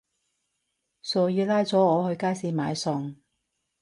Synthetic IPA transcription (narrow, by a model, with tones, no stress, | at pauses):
sɔː˨jiː˨˧laː˥jt͡sɔː˨˥ɔː˨˧hɵ˧ɥkaː˥jsiː˨˧maː˨˧jsɔ˨ŋ